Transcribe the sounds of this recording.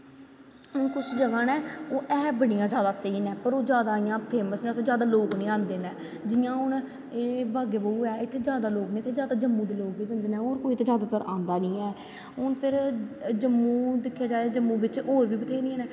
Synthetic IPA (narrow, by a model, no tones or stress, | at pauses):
ʊnkʊt͡ʃʰd͡ʒəɡãːnɛ̃ːoːʔɛːbəɽ̃ijãːd͡ʒjaːd̪aːsəiːnɛ̃ːpəɾoːd͡ʒjaːd̪aːɪjãːpʰeːməsñːt̪ːzjaːd̪aːloːknĩːãːnd̪eːnɛː | d͡ʒɪjãːɦʊn | eːbaːɡeːbəuːɛːɪt̪ʰːeːzjaːd̪aːloːknĩːt̪ʰːeːzjaːd̪aːd͡ʒəmːũːd̪eːloːkʋiːd̪ənd̪eːnɛ̃ːoːɾkoːiːt̪eːd͡ʒjaːd̪aːt̪əɾʔã̰ːnd̪aːnĩːɛː | ɦʊnpʰɪɾd͡ʒəmːũːd̪ɪkʰːjaːd͡ʒaːeːd͡ʒəmːũːbɪt͡ʃoːɾʋiːbət̪ʰeːnĩːɛ̃ːnɛ̃ː